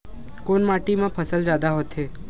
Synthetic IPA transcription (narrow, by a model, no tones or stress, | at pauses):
koːnmaːʈimãpʰəsəld͡ʒjaːd̪aɦoːt̪ɦeː